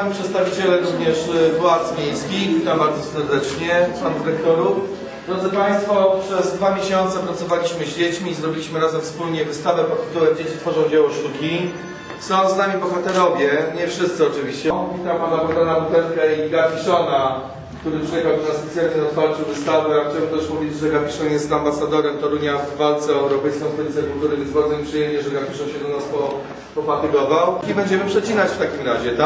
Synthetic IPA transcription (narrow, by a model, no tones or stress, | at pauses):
amʲipʂɛt̪st̪avʲit͡ɕɛlɛɾuvɲɛʂvwat̪smʲjejskʲiit̪ambaɾd̪zɔsɛɾd̪ɛt͡ʂɲɛand̪ɘɾɛk̚t̪ɔɾu | d̪̥ɾɔd̪zɘpaj̃st̪fɔpʂɛzd̪vamʲjeɕɔnt̪sɛpɾat̪sɔvalʲiɕmɘʑd͡ʑet͡ɕmʲiːzɾɔbʲilʲiɕmɘɾazɛmfspulɲɛvɘst̪avɛpɔt̪̚t̪ːɘ̥t̪ulɛmd͡ʑet͡ɕit̪fɔʐɔ̃w̃d͡ʑawɔʂt̪ukʲi | sɔ̃w̃znamʲibɔxat̪ɛɾɔvʲjɛɲɛfʂɘst̪sɘɔt͡ʂɘvʲiɕt͡ɕɛvʲit̪apanabɔd̪ɾɔnabut̪ɛlkaiɡafʲiʂɔna | kt̪uɾɘpʂjɛxawd̪ɔnasspɛt̪sʲjalɲɛɔt̪faɾt͡ʂɨwvɘst̪avɛaxt͡ɕabɛmt̪ɛʂmuvʲid͡ʑʐɛɡapʲiʂɔnjɛst̪ambasad̪ɔɾɛmt̪ɔɾuɲjavːalt̪sɛɛwɾɔpɛjskɔ̃kt̪ɔɾʲit̪sɛkult̪uɾɨvɛzbaɾd̪zɔɲipʂɨjɛmɲɛʐɛɡapʲiʂɔnɕɛd̪ɔnaspɔ | pɔfat̪ɨɡɔvawɛbɛɲd͡ʑɛmɘpʂɛt͡ɕinat͡ɕft̪akʲimɾaʑɛt̪a